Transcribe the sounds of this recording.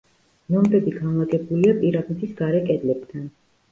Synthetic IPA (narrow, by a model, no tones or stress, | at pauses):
nɔmbɛbiɡanlˠaɡɛbuliapʼiɾab̪nit̪ʰisɡ̥aɾɛkʼɛd̪lɛb̥d̪ʰan